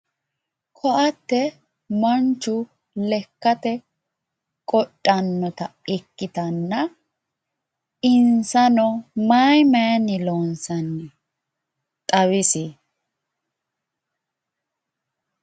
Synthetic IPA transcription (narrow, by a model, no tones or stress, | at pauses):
kʰɔʔɐt̪ːɛ | mɐnt͡ʃːʊ | lɛkːɐt̪ɛ | kʼɔtʼːɐnːɔt̪ɐɪkːɪt̪ɐnːɐ | ɪnsɐnɔmaːjmɐjɐnːɪloːnsɐnːɪ | t̪ʼɐwɪsɪ